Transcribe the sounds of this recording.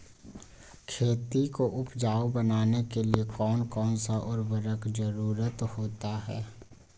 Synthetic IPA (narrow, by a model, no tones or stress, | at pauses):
kʰeːt̪ikoʔʊpd͡ʒaːobɐnaːnekeliekɔːnkɔːnsaʔɔːɾbəɾəkd͡ʒəɾuːɾət̪hoːt̪aɦɛ̰ː